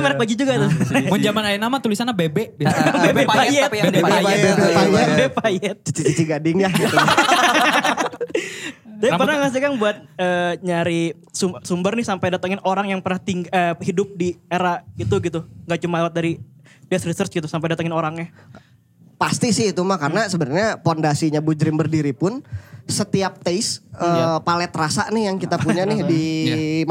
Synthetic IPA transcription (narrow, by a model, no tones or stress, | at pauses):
meɾɛkbaɡid͡ʒuɡat̪ʊmʊnd͡ʒamanainamat̪ulisanabebɛʔbibebeajɛt̪jaɛbepajɛt̪̚t͡ʃit͡ʃiɡadɪŋjahɡit̪ | d͡ʒabipərnahmas̬t̪ikanbuat̪̚əːɲaɾi | sumsumbərnɪsampajdat̪aŋɪnoɾaŋjaŋpərnaht̪iŋəhidʊp̚dieɾait̪uɡit̪uŋɡaʔt͡ʃumalewat̪̚daɾi | dɛsɾisərt͡ʃɡit̪usamp̬ajdat̪aŋɪnoɾaŋɲa | past̪isɪhit̪umakarənasəbənaɲapondasiɲabud͡ʒɾɪmbərdiɾipʊnsət̪iap̚t̪esəpalɛt̪ɾasanɪhjaŋkit̪apuɲanɪhdim